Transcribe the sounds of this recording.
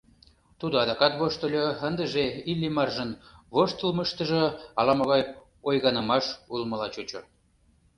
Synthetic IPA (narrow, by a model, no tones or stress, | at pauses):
t̪ud̪oɑd̪ɑkɑt̪βoʃt̪ə̆lʲoənd̪əʒeilʲːimɑrʒənβoʃt̪əlməʃt̪ə̆ʒɤ̆ɑlɑmoɣɑj | ojɣɑnə̆mɑʃulmə̆lɑt͡ɕut͡ɕo